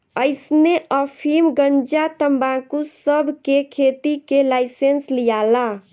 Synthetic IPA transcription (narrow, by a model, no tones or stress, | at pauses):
əɪsneʔəpʰimɡəɲd͡ʒat̪əmbãkusəbʱkekʰet̪ikelajsenslijala